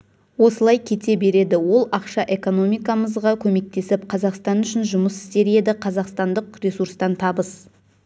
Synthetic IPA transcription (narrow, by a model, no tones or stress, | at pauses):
wo̞səlˠɑjkʲʰe̞t̪e̞be̞ɾe̞d̪ɪwo̞lˠɑqʃɑʔe̞ko̞no̞mijkɑməzʁɑkʲʰɵme̞k̚t̪e̞sɪp̚qʰɑzɑqst̪ɑnʏʃɪnʒʊməsɪ̥st̪e̞ɾe̞d̪ɪqʰɑzɑqst̪ɑnd̪əqrʲe̞suɾst̪ɑnt̪ʰɑbəs